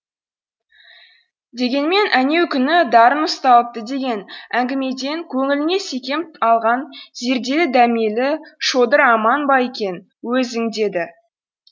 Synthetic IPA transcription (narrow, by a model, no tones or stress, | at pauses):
d̪e̞ɡʲe̞nme̞nʔæne̞wkʲʰʏnɪd̪ɑɾənəst̪ɑlˠəp̚t̪əd̪e̞ɡʲe̞næŋɡʲɪme̞d̪e̞ŋkʲʰɵŋɪlɪne̞se̞kʲe̞mɑlˠʁɑnze̞ɾd̪e̞lɪd̪æmijlɪʃo̞d̪əɾɑmɑnbɑekʲe̞n | wɵzɪŋd̪e̞d̪ɪ